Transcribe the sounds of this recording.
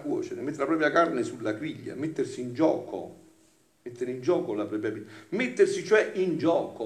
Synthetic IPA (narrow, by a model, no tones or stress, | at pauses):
kwɔ̰ːt͡ʃeɾemet̪ːɾelapɾɔːp̬ɾjakarnesulːaɡɾiʎːa̰met̪ːersiːnd͡ʒɔ̰ːko̰ | met̪ːeɾeind͡ʒɔːkolapɾɔːpɾjabimet̪ːersit͡ʃoɛʔind͡ʒɔːko